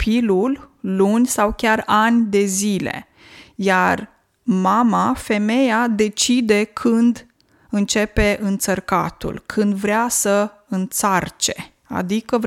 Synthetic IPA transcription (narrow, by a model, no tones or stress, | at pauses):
pʰilullunʲsawkʲaranʲd̪e̞zile̞̰ | ja̰r | mamafe̞me̞jad̪e̞t͡ʃid̪e̞kʰɨnd̪ | ɨnt͡ʃe̞pe̞ʔɨnt̪sərka̰t̪ṵlkʰɨnd̪vɾeasə | ɨnt̪sart͡ʃe̞ | a̰d̪ikəv